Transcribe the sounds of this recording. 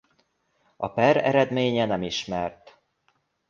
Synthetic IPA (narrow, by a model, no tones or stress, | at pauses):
ɒpɛɾɛ̰ɾɛd̪meːɲɛnɛmiʃmɛrt̪